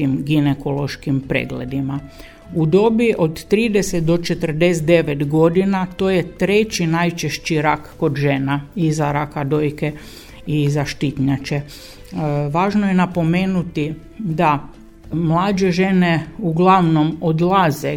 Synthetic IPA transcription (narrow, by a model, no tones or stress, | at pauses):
t̪iːmɡinekolˠo̞ʃkimpɾḛɡlḛd̪ima | ud̪o̞biʔod̪t̪ɾiːd̪eset̪̚d̪o̞t͡ʃe̞t̪ər̩d̪es̬d̪e̞ʋet̪ɡo̞d̪inat̪o̞ːjet̪ɾe̞t͡ɕinajt͡ʃeʃt͡ɕiɾakːo̞d̪ʒenaizaɾakad̪ojke | izaʃt̪it̪ɲat͡ʃe | ʋaːʒnojenapo̞meːnut̪i | d̪a | mlˠaːd͡ʒe̞ʒe̞neuɡlˠaʋno̞mod̪lˠaze